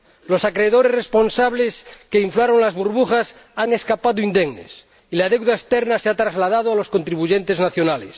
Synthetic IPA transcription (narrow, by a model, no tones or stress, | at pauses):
lo̞sakɾeːðo̞ɾesrespo̞nsaβ̞leskeiɱflaɾoŋlazβuɾβuχas | aŋe̞skapaðoind̪eɣnḛs | ilaðewðaest̪eɾnaseat̪ɾazlað̞að̞oalo̞sko̞nt̪ɾiβuʝent̪eznaθjonales